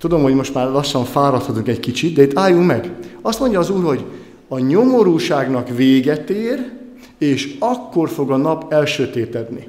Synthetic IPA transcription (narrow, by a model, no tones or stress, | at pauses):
t̪ud̪o̞mho̞ɟmo̞ʃt̪maːrlɒʃːɒɱfaːɾɒt̪hɒt̪uŋkɛckit͡ʃit̪̚d̪ɛit̪ːaːjːuŋkmɛɡɒst̪mo̞ɲɟɒːzuːrho̞ɟ | ɒɲo̞mo̞ɾuːʃaːɡnɒkveːɡɛt̪eːr | eːʃɒkːo̞rfo̞ɡɒnɒpɛlʃøːt̪eːt̪ɛd̪ni